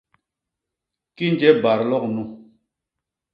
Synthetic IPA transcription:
ki˦n˦d͡ʒɛ˦ba˨ɾlɔ˦k̚nu˦

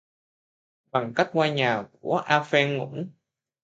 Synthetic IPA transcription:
ɓa˨˩ŋka˦˥jk̟̚kwaː˧ɲaː˨˩ku˧˩əʔaː˧fɛ˧nŋʊ̰˧˥n

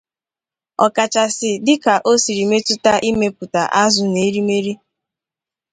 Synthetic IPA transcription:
ɔ̰˨ka˨t͡ʃa˨sɪ˨dɪ˦ka˨ʔo˦si˨ɾi˨me˦tʊ˦ta˦ʔi˦me˦pʊ˨ta˨ʔa˦zʊ˨ne˨˦ɾi˦me˦ɾi˦

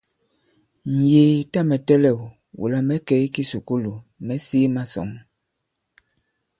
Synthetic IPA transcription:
n̩˨je˨ta˦˨mɛ˨tɛ˦lɛ˦˨w | wṵ˨la˨mɛ˦kɛ˨˦ki˦su˨ku˦lu˨mɛ˦siː˦ma˦sɔ̰˨m

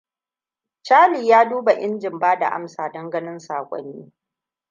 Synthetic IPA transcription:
t͡ʃaː˦liː˨jaː˦duː˦ba˨ʔɪ˦nd͡ʒɪ˨mbaː˦da̰˨ʔa̰˦msaː˨dɔ˦ŋɡɐ˦nɪ˦nsaː˨kʷʼɔ̰˦nːiː˦

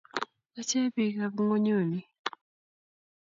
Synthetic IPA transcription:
la˥˨t͡ɕʰɛː˥˨peː˨ka˥˨p̚ŋo˥˨ɲø˥˨mi˩˨

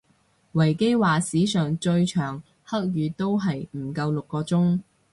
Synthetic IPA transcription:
wɐ˨˩jke˥jwaː˨siː˨˥sœː˨ŋt͡ʃɵ˧ɥt͡ʃʰœː˨˩ŋ | hɐ˥k̚jyː˨˧t̪o˥wɦɐ˨jm̩˨˩kɐ˧wlʊ˨kːɔː˧t͡sʊ˥ŋ

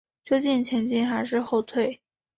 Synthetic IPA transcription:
t͡ɕjo˥ʊt͡ɕi˥˩nt͡ɕʰjɛ˧˥nt͡ɕi˥˩nxa˧˥ɪʂɻ̩˥˧xo˥˧ʊt̪ʰwe˥˩ɪ

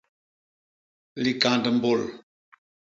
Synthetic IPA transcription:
li˨kã˨ndə˨m̩˦bo˦˨l

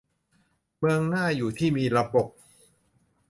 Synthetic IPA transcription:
mɯ˧əŋnaː˥˩juː˨˩t̪ʰiː˥˩miː˧ɾa˧bo˨˩p̚

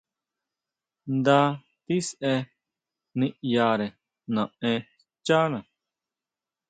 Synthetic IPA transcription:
nd̪a˦ | t̪i˦sɛ˧ | nĩ˦ʔjaː˧ɾɛ˨ | nã˨ɛ̃ | t͡ʃa˦nã˨

